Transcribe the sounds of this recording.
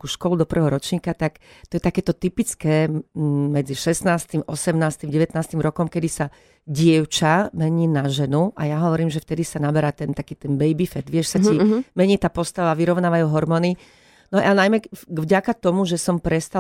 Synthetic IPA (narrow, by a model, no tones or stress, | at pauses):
kuʃkɔlud̪ɔpr̩ʋɛɦɔɾɔt͡ʃɲiːkat̪akt̪ɔjɛt̪akɛːt̪ɔt̪ipit͡skɛːmɛd͡ziʃɛsnaːst̪imʔɔsɛmnaːst̪imɟɛʋɛt̪naːst̪imɾɔkɔmkɛd̪isa | ɟɪɛʊt͡ʃamɛɲiːnaʒɛnuʔajaɦɔʋɔɾiːmʒɛft̪ɛd̪isanabɛɾaːt̪ɛnt̪akiːt̪ɛnbɛjbifɛd̪ʋɪɛʃsacimɛɲiːt̪aːpɔst̪aʋaʋiɾɔʊnaːʋajuːɦɔɾmɔːni | nɔʔanajmɛɡvɟakat̪ɔmuʒɛsɔmpɾɛst̪a